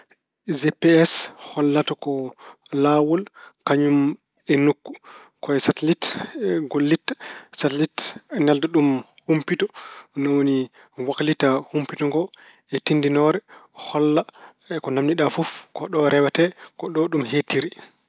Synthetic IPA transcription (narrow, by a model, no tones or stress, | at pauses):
zepeɛshɔlːatɔkɔ | lawɔlkaɲum | ɛnukːu | kɔɛsatlitɡolːitːḁsatlitɛnɛldaɗum | humpitɔnɔwoni | wakalitahumpitɔŋɡɔ | ɛtindinɔɾɛhɔlːa | kɔnamniɗafufkɔɗɔɾɛwɛtɛkɔɗɔɗumhetːiɾi